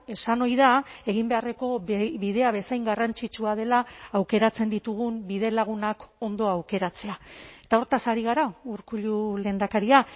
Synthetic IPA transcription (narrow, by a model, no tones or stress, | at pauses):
e̞sano̞jðae̞ɣimbe̞are̞ko̞βiðe̞aβe̞sajŋɡarant͡ʃit͡ʃuað̞e̞laːwke̞ɾat͡se̞nd̪it̪uɣumbiðe̞laɣ̞unako̞nd̪o̞awke̞ɾat͡se̞ae̞t̪ao̞ɾt̪asaɾiɣ̞aɾauɾkuʎule̞ːnd̪akaɾia